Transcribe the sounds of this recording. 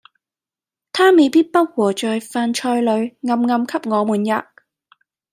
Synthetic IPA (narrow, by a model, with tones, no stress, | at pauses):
t̪ʰaː˥me˨˧jpiː˥t̚pɐ˥t̚wɔː˨˩t͡ʃɔː˨jfaː˧nt͡ʃʰɔː˧jlɵ˨˧ɥŋɐ˧mŋɐ˨˧mkʰɐ˥p̚ŋɔː˨˧muː˨˩nja̰ː˨